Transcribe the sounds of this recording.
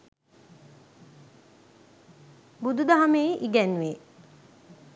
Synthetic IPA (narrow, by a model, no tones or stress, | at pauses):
bud̪ud̪aɦamejʔiɡɛnʋe